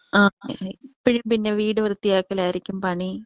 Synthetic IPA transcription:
aːpiɻempinːeʋiːɽɨʋrt̪ːijaːkːɐlaːjiɾikʲːumpɐɳi

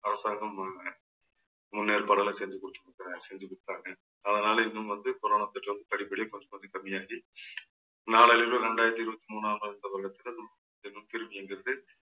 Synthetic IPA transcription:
ɐɾɐsaːŋɡɐm | mʊnːeːɾpɐːɽɐlɐsɛɲd͡ʒɯkɔɽɯt̪ːɯk̪ːɐɐsɛɲd͡ʒɯkɔɽɯt̪ːaːŋɡɐ | ɐðɐnaːlɐɪnːɯmʋɐnd̪ɯkʊɾɐːɳɐt̪ːɯʈːɐʋɐnd̪ɯpɐɽɪpːɐɽɪjɐkɔɲd͡ʒɐkɐnd̪ɯkɐmːɪjaːɣi | naːɭɐlɪlɐ̃ɾɛɳɖaːjɪɐɾt̪ːiɪɾɯʋɐt̪ːimuːnːaːmɐɪnd̪ɐʋɐɾɐɣɐt̪ːɪlɐðɯ | ɐnd̪ɯɪnːɯmt̪ɪɾɯmbɪɛnɡɪɾɐðɯ

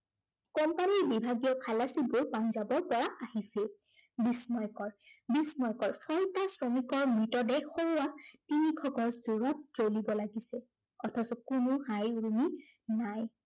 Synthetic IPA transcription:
kɔmpaniɹbibʱaɡijɔkʰalasibʊɹpanzabɔɹpɔɹaʔahisɛbismɔjkɔɹbismɔjkɔɹsɔjtasɹomikɔɹmɹitɔdɛxoatinikʰɔɡɔszuɹɔt̚zolibɔlaɡisɛ | ɔtʰɔsɔkʊnʊhajuɹuminaj

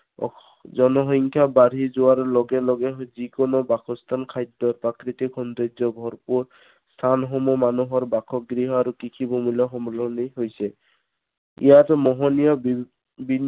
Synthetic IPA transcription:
zɔnɔɦɔŋkʰjabaɾizuaɾlɔɡɛlɔɡɛzikɔnobakʰɔst̪ʰankʰajd̪ːɔɾpɾakɾit̪ikʰɔnd̪ed͡ʒɔbʱɔɹpuɹ | st̪ʰanɦɔmɔmanuɦɔɹbakʰɔɡɾiɦɔaɾukikʰibɔmilɔɦɔmɔlɔniɦojsɛ | ḭjat̪ɔmɔɦɔnijɔb | bʱinː

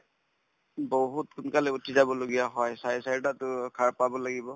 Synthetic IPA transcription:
boɦutkʰʊnkalɛutʰizabɔloɡijaɦɔjsajsajtatʊkʰaɹpabɔlaɡibɔ

